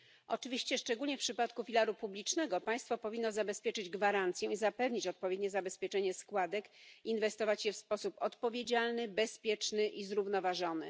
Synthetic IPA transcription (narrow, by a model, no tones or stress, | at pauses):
ʔɔ̰t͡ʂɘvʲiɕt͡ɕɛʂt͡ʂɛɡulʲɲɛfpʂɘpat̪kufʲilaɾupublʲit͡ʂnɛɡɔpaj̃st̪fɔpɔvʲinːɔzabɛspʲjɛt͡ʂɘd͡ʑɡvaɾant̪sʲjɛizapɛvɲit͡ɕɔt̪̚pɔvʲjɛd̪̚ɲɛzabɛspʲjɛt͡ʂɛɲɛskwad̪ɛkinvɛst̪ɔvat͡ɕjɛfspɔsupɔt̪pɔvʲjed͡ʑalnɘbɛspʲjɛt͡ʂnɘʔizɾuvnɔvaʐɔnɘ̰